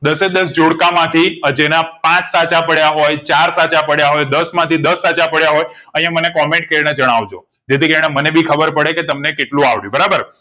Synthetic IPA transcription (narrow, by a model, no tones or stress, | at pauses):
d̪əsed̪əs̬d͡ʒoɽkamãt̪ʰiəd͡ʒenapãt͡ʃsat͡ʃapəɽjaɦojt͡ʃaɾsat͡ʃapəɽjaɦojd̪əsmãt̪ʰid̪əsːat͡ʃapəɽjaɦojə̃ɦĩjãmənekɔmẽɳʈ̚kəɾined͡ʒəɽ̃aʋd͡ʒo | d͡ʒet̪ikəɾiɳemənebikʰəbəɾpəɽeket̪əmnekeʈlũaʋɭjũbəɾabəɾ